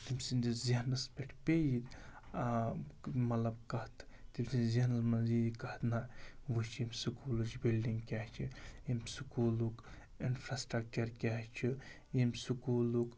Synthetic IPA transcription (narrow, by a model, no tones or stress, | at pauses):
t̪imʲsind̪iziɦnɐspeʈʰpejid̪ | mɐlɐbkɐt̪ʰ | t̪imsinziɦnɐlmɐnzid̪ikɐht̪naʋɨt͡ʃʰimsukulud͡ʒibilɖiŋɡkʲaːht͡ʃʰiimsukuːluk | inpʰɾasʈɾɐk̚t͡ʃɐɾkʲaːt͡ʃʰi | jimsukuːluk